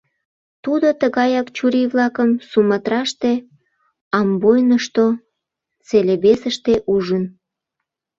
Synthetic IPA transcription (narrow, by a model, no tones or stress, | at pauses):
t̪ud̪ot̪əɣɑjɑkt͡ɕuɾiβlɑkəmsumət̪ɾɑʃt̪e | ɑmbojnəʃt̪o | t͡seleβesəʃt̪eʔuʒən